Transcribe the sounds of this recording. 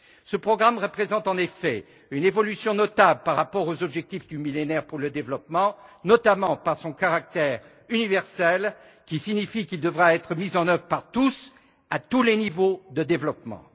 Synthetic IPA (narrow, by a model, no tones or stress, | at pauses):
səpχɔɡʁamʁəpχezɑ̃t̪ɑ̃nefɛ | ynevɔlysjɔ̃nɔt̪ablpaʁːapɔʁozɔbʒɛk̚t̪ifd̪ymilenɛʁpuʁləd̪evlɔpmɑ̃nɔt̪amɑ̃paʁsɔ̃kaʁak̚t̪ɛʁ | ynivɛʁsɛl | kʲisiɲifikild̪əvʁaɛt̪χəmizɑ̃nœvʁəpaʁt̪us | at̪ulenivod̪əd̪evlɔpmɑ̰̃